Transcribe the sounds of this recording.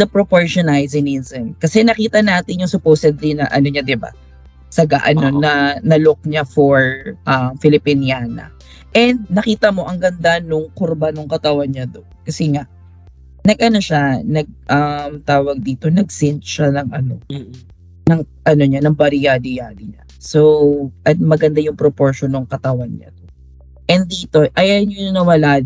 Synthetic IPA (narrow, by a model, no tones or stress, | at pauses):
ɐpɾopoɹʃonajzɪninzɛnkɐsɛnɐkiːt̪ɐnaːt̪ɪnjʊŋsʊpoːsɛd̪linɐʔɐ̰noɲad̪ɪba̰ | sɐɡa̰ʔɐno̞nɐnɐlʊk̚ɲafɔɹʔɐmfɪlɪpɪnjaːnɐ̰ | ʔɛnd̪̚nɐkiːt̪ɐmo̞ʔɐŋɡɐnd̪anʊŋkoɾbanʊŋkɐt̪ɐwanɲad̪onkɐsɛŋaʔ | nɐɡ̚ʔɐno̞ʃanɐɡ̚ʔɐmt̪aːwɐɡ̚d̪iːt̪o̞nɐɡ̚sɪnt̪ʃanɐŋʔɐno̰ | nɐŋʔɐno̞ɲanɐŋbɐɾɪjad̪ɪjaːd̪ɪɲa | soʔɐt̪̚mɐɡɐnd̪ajʊŋpɾopoɹʃonːoŋkɐt̪ɐwanɲa̰d̪o | ʔɛnd̪iːt̪o̞ʔɐjaɲonɐnɐwɐlaː